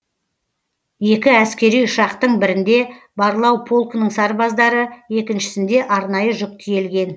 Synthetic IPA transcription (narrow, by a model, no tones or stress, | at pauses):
je̞kʲɪæskʲe̞ɾijʊʃɑqt̪əɴbɪɾɪnd̪e̞ | bɑɾəlˠɑwpʰo̞lˠknəɴsɑɾbɑzd̪ɑɾəe̞kʲɪnʃɪ̥sɪnd̪e̞ʔɑɾnɑjəʒʊq̚t̪ʰije̞lɡʲe̞n